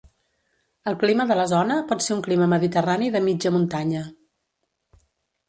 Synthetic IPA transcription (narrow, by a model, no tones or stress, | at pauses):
əlˠkliməðələzɔnəpɔt̪seuŋkliməməðit̪əraniðəmid͡ʒəmunt̪aɲə